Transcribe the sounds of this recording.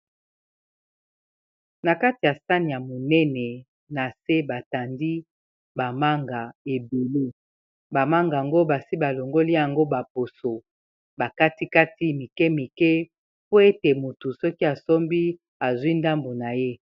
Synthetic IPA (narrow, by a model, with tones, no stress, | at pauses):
na˨ka˦ti˨ja˨sa˦ni˨ja˨mo˨nɛ˦nɛ˨ | na˨se˦ba˨ta˨ndi˦ | ba˨ma˦ŋɡa˨e˨be˨le˦ | ba˨ma˦ŋɡa˨a˨ŋɡo˦ba˨si˦ba˨lo˨ŋɡo˦li˦ja˨ŋɡo˦ba˨po˨so˨ | ba˨ka˦ti˦ka˦ti˦mi˨kɛ˦mi˨kɛ˦ | po˦e˦te˨mo˨tu˨sɔ˦ki˦a˨so˦mbi˦ | a˨zwi˦nda˦mbo˨na˨je˦